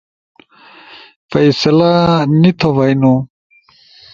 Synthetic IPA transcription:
fɐjsɐlanit̪ʰoʋɐjnu

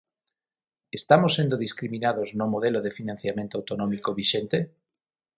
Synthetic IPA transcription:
est̪amosːend̪oðiskɾiminaðoznʊmoðeloðefinãn̟θjamẽnt̪oawt̪onɔmikoβiʃent̪e

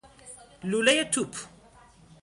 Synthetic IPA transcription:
lulajat̪ːup

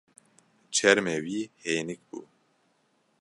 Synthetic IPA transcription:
t͡ʃʰɛɾmɛwiːheːjnik̚bṵː

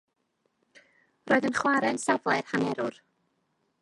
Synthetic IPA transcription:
roːɨðənχwaɾɛnsavlˠɛrhanɛɾʊr

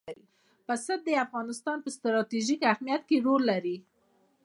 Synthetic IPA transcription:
ɾi | pasad̪̚d̪əafɣɑnɪst̪ɑnpəst̪ɾɑt̪iʒikahmijat̪keɾolːaɾi

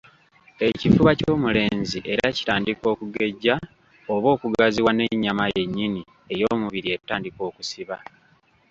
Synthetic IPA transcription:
e̞cifuβaco̞ːmule̞ːɲziʔe̞ɾaci̥taːndiko̞ːkuɡe̞ɟːa | o̞βo̞ːkuɡaziwane̞ɲːamaje̞ɲːini | e̞jo̞ːmuβiɾie̞tːaːndiko̞ːkusiβa

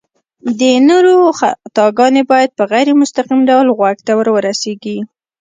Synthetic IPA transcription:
d̪ənoɾoxat̪ɑɡɑnebɑjad̪̚pəɣajɾemʊst̪aqimɖawlɣwaɡt̪awəɾwəɾaseɡi

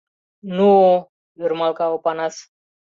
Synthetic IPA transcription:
nu | juɾmalkaopanas

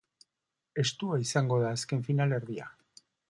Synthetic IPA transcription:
e̞st̪uaisaŋɡo̞ðaːske̞ɱfinale̞ɾðia̰

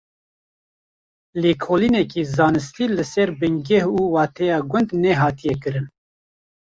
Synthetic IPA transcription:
leːkʰoːlinɛkiːzɑːnɨst̪ilɨsɛɾbɨŋɡɛhuːwɑːt̪ʰɛjɑːɡʷʊnd̪nɛɦɑːt̪ijɛkɨɾɨn

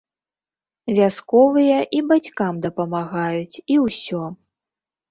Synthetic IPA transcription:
vʲaskɔvɨjɐʔibat͡sʲkamd̪ɐpɐmaɣajut͡sʲiwsʲɔ

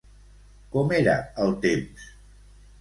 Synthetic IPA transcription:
kɔmeɾə̰əlˠt̪ems

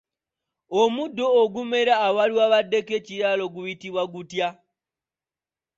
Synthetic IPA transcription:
omudːoːɡume̞ɾaːwaliwaβadːekeciɾalo̞ɡuβitiβwaɡutja

